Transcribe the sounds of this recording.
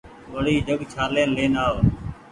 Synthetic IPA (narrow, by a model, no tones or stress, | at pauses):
ʋəɽiːd͡ʒʱəɡt͡ʃʰaːleːnleːnaːo